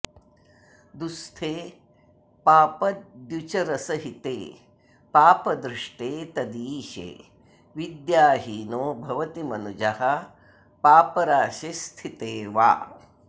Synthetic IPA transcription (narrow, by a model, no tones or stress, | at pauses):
d̪ust̪ʰeː | paːpɐd̪d̪jut͡ʃɐɾɐsɐɦit̪ḛː | paːpɐd̪ɾiʂʈeːt̪ɐd̪iːʃḛː | ʋid̪jaːɦiːnoːbʱɐʋɐt̪imɐnud͡ʒɐhɐ | paːpɐɾaːʃest̪ʰit̪eːʋa̰ː